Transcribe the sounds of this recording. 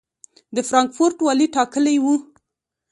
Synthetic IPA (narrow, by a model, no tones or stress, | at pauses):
d̪əfɾɑŋkfʊɾʈwɑliʈɑkəlajwu